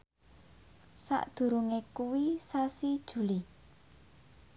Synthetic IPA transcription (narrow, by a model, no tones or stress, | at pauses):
sa̰ʔd̪̥ṳɾuŋekuwisasid̥ʒ̥ṳli